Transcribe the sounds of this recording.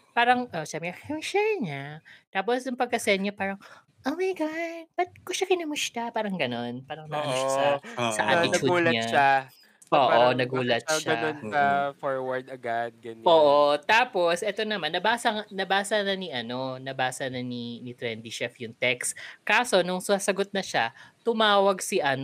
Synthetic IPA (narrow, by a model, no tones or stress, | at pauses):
paːɾɐŋʔoʔsabɛɐɐmɪʃɛɲat̪aːp̬osjʊŋpɐɡ̚kɐsɛnɲɐpaːɾɐŋ | ʔowmɐjɡaʃpɐt̪̚kʊʃɐkɪnɐmʊst̪apaːɾɐŋɡɐno̞npaːɾɐŋnɐʔɐnasɐsɐʔa̰tɪt̪ɐuduːlɐɲaʃa | oːʔonɐɡuːlɐt̪̚ʃɡɐonkɐfoɹwɐɹd̪ɐɡad̪̚ɡɐnʔoːʔot̪aːpo̞sʔɛt̪o̞nɐmanːɐbaːsɐŋnɐbaːsɐnɐniʔɐno̞nɐbaːsɐnɐninit̪ɾɛnd̪iʃɛfjʊŋt̪ɛkskaːso̞nʊŋsɐsɐɡot̪̚nɐʃat̪ʊmaːwɐɡsiʔɐn